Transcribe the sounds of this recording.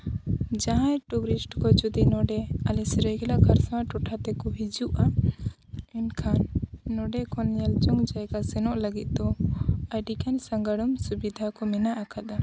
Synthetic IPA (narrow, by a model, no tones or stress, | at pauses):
d͡ʒaɦãjʈubɾisʈkɔd͡ʒud̪inɔɖɛalɛsɾɛɡɛlakʰaɾsawaʈɔʈʰat̪ɛkɔɦid͡ʒuʔa | ɛnkʰanːɔɖɛkɔnjɛld͡ʒɔŋd͡ʒajkasɛnɔʔləɡit̪̚d̪ɔaɖikansaŋɡaɽɔmsubid̪ʱakɔmɛnaʔakʰad̪a